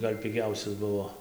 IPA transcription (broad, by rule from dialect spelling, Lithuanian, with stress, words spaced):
ˈɡɐlʲ pʲɪˈɡʲɛʊsʲɛs ˈbʊʋoː